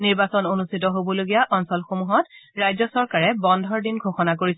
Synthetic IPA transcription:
niɹbasɔnonustʰitɔɦobɔloɡijaʔɔnsɔlxomuɦɔtɹajzɔsɔɹkaɹɛbɔndʱɔɹdinɡʱoxɔnak̬oɹisɛ

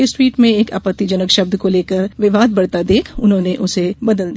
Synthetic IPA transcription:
ɪswiːʈmẽeːka̰ːpət̪ːid͡ʒɐnəkʃɐb̚d̪koleːkəɾʋɪʋaːd̪̚bɐɽt̪ad̪eːkʰʊnɦõːneʔʊsebɐd̪əld̪

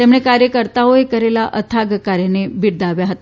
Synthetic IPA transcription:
t̪emɽekaɾjəkəɾt̪aoekəɾelaʔət̪ʰaɡkaɾjenebʱiɽd̪aʋjaɦət̪a

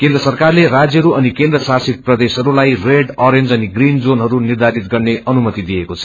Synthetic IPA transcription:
kend̪rʌsʌrkarlerad͡zjʌɦɾuʌnikend̪rʌsasit̪̚prʌd̪esɦʌɾulajreɖʌɾend͡zʌniɡrind͡zonɦʌɾunird̪ʱaɾit̪ɡʌrneʔʌnumʌt̪id̪ijekot͡sʰʌ̥

